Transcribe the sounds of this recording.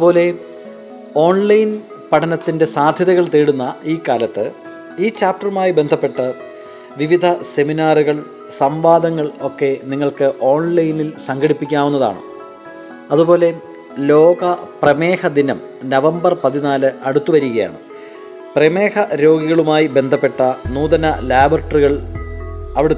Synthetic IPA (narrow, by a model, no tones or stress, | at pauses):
po̞ːle̞ | o̞ːɳlɐjn | pɐʈʰɐnɐt̪ːinde̞saːd̪ʱjɐðɐɣɐɭt̪eːɽunːɐiːkaːlɐt̪ːɨ | iːt͡ɕaːp̚ʈɐrumaːjibe̞nd̪ʱɐpːe̞ʈːɐ | ʋiʋid̪ʱɐse̞minaːruɣɐɭ | sɐmʋaːd̪ɐŋːɐɭo̞kːe̞niŋːɐɭkɨʔo̞ːɳlɐjnilsɐŋɡʱɐɽipːikʲːaːwunːɐða̰ːɳɨ̰ | ɐðupo̞ːle̞ | lo̞ːɡɐprɐmeːhɐd̪inɐm | nɐʋɐmbɐrpɐðinaːlɨʔɐɽut̪ːuʋɐɾiɣɐja̰ːɳɨ | preme̞ːhɐɾo̞ːɡiɣɐɭumaːjibe̞nd̪ʱɐpːe̞ʈːɐnuːd̪ɐnɐlaːbrɐʈɐriɣɐɭ | ɐʋiɽe